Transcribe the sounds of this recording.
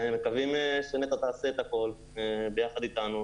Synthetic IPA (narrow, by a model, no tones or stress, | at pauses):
mekavimeʃenet̪at̪aːsiet̪ako̞l | be̞jaχad̪it̪anu